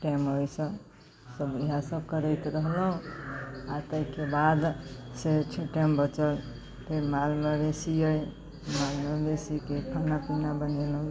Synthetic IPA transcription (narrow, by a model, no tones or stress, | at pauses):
ʈamɦojsə̃ | səbiɦãsəbkəɾəjt̪ɾəɦlɦũ | at̪əikebad̪set͡ʃʰoʈambət͡ʃəl | t̪emalmebesiəj | malmebesikekʰanapinabənelũ